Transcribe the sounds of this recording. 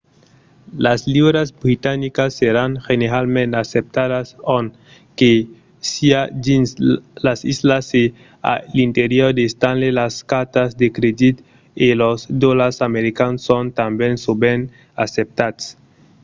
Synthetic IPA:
laslibɾasbɾit̪anikasːeɾaŋxeneɾalmenasep̚t̪adason | ke | siailasislase | a̰lint̪eɾioɾd̪est̪anlelaskat̪asd̪ekɾed̪it̪ | elosd̪olasameɾikansont̪ambensoben | asep̚t̪ats

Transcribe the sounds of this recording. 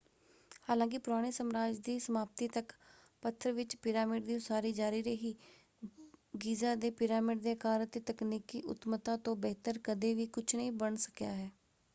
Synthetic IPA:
haːlãːk̬ɪpʊɾaːɽ̃eːsəmɾaːd͡ʒd̪iːsəmaːp̚t̪iːt̪ək | pət̪ʰːəɾʋɪt͡ʃpɪɾaːmɪːɖd̪iːsaːɾiːd͡ʒaːɾiːɾəɦiː | ɡiːzaːd̪eːpɪɾaːmɪːɖd̪eːəkaːɾət̪eːt̪əkniːkiːʔʊ̰t̪mət̪ãːt̪õːbɛːt̪əɾkəd̪eːʋiːkʊt͡ʃʰnəĩːbəɳsə̥kjaːɦɛː

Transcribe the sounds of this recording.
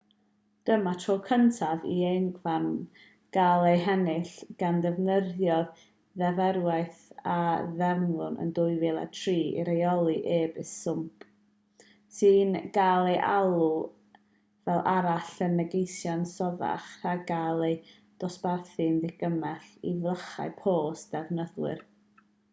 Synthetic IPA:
d̥əmatʰroːkʰəntʰavḭejnɡlam | ɡ̥alˠejɦɛnɪɬɡ̥andɛvnəðjɔð | ðɛvɛɾwajθaðɛvnlʊnə̰ndʊɨvɪlˠa̰tʰriːḭɾejɔlˠiʔeːbɪsʊmpʰ | sɨːnɡ̥alˠejʔalˠu | vɛlˠʔaɾaɬənːəɡejsjansɔða̰χhaɡalˠej | d̥ɔsb̥arθɨnðɪɡ̥əmɛɬḭvləχa̰ɨpʰoːsd̥ɛvnəðwɪ̰r

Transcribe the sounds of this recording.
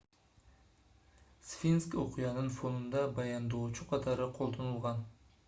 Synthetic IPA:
sfinskoqʰɨjɑnɪnfonɪnd̪abajɑnd̪ot͡ʃʰʊqʰɑt̪ʰɑɾɪqʰolˠd̪onʊlˠʁɑn

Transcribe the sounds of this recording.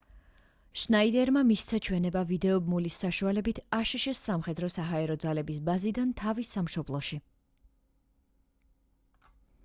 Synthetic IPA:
ʃnaid̪ɛɾmamist̪sʰat͡ʃʰwɛnɛbavid̪ɛɔbmulisːaʃualɛbit̪ʰaʃiʃɛsːamχɛd̪ɾɔsaɦaɛɾɔd̪zalɛbisbazid̪ant̪ʰavisamʃɔblˠɔʃi

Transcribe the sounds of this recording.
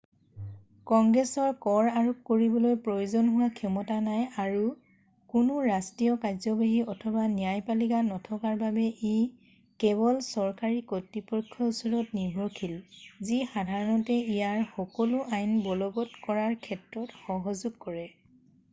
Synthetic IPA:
kɔŋɡɹɛsɔɹkɔɹaɹop̚koɹibɔlojpɹojuzɔnɦʊwakʰɔmɔtanajaɹu | kʊnuɹastɹijɔkajzɔbaɦiɔtʰɔbanijajpaliɡanɔtʰɔkaɹbabɛʔi | kɛβɔlsɔɹkaɹikotːipɔkʰːɔusɔɹɔtniɹbʱɔkʰilzixadʱaɹɔnɔtɛijaɹxɔkɔlʊʔajnbɔlɔɡɔtkɔɹaɹkʰɛtɹɔtxɔɦɔzuɡ̚kɔɹɛ

